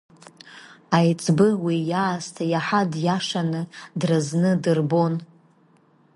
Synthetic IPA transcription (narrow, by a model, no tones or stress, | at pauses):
ajt͡sʼbɨwijaːztʰajaħadjaʂanɨdrɨznɨdɨrbo̞n